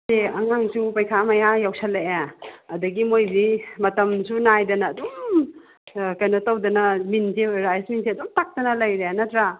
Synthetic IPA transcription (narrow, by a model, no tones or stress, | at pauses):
seɐŋaŋsupajkʰamɐjajawsɐleeɐdɐɡimojbimɐtɐmsunajdɐnɐːdum | kajnɐtɐwdɐnɐminziɾajsminsiɐdumtak̚tɐnɐlɐjɾenɐtɾa